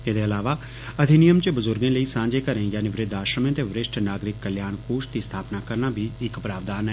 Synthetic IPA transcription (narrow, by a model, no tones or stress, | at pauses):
ɪd̪eːəlaːʋaː | əd̪ʱɪnɪjəmt͡ʃəbəzʊɾɡẽːləiːsãːɲd͡ʒeːkəɾẽːjaːniʋɾɪd̪aːʃɾəmẽːt̪eːʋɾɪʃʈʰnaːɡɾɪkːəljaːnkoːʃd̪iːst̪ʰaːpnaːkəɾnaːbʱiːɪkpɾaːʋd̪aːnɛ